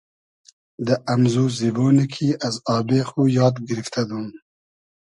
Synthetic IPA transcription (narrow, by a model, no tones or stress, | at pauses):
d̪əʔɐmzuːziboːnikʰiʔazɑːbexujɑːd̪ɡɪɾift̪ʰad̪um